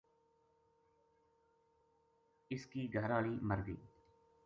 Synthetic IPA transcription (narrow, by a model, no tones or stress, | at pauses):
ɪskiːɡʱəɾaːɭiːməɾɡḭː